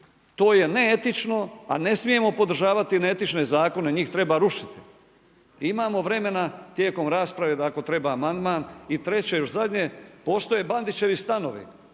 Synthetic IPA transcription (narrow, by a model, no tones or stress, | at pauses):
t̪o̞ːje̞neet̪it͡ʃno̞a̰ne̞smije̞mo̞po̞d̪ɾ̩ʒaːʋat̪ineet̪it͡ʃne̞zaːko̞ne̞ɲiːxt̪ɾe̞baɾuʃi̥t̪i̥ | imaːmo̞ʋɾe̞me̞nat̪jeːko̞mɾaːspɾaʋed̪ako̞t̪ɾe̞baːmand̪maːnit̪ɾe̞t͡ɕejo̞ʃzad̪ɲepo̞ːst̪o̞je̞band̪it͡ɕe̞ʋist̪ano̞̰ʋḭ